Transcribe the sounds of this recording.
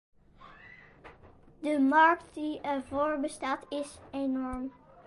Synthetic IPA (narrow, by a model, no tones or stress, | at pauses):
dəmɑɹktdiɛɹvoːɹbəstaːtɪsenɔɹm